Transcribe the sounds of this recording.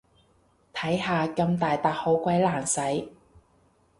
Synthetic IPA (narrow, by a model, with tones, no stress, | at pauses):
t̪ʰɐ˨˥jɦaː˨kɐ˧mt̪aː˨jt̪aː˨k̚ho˨˥wkʷɐ˨˥jlaː˨˩nsɐ˨˥j